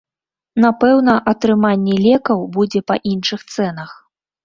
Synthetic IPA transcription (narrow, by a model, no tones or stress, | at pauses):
napɛwnɐʔɐt̪ɾɨmanʲːɛlʲɛkɐwbud͡zʲɛpɐʔinʂɨxt̪sɛnɐx